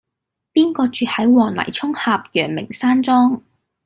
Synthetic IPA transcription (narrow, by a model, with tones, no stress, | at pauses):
piː˥nkɔː˧t͡ʃyː˨˧hɐ˨˥jwɔː˨˩ŋlɐ̰˨˩jt͡sʰʊ˥ŋhaː˨p̚jœː˨˩ŋmɪ̰˨˩ŋsaː˥nt͡sɔː˥ŋ